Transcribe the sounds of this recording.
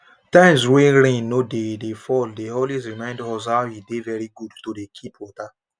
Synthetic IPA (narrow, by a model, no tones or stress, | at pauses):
tãɪ̃ms̬wẽnɾẽnːodedefɔldeolwesɹimãɪ̃ndɔzhahidevɛɾiɡudtodekʰipwɔta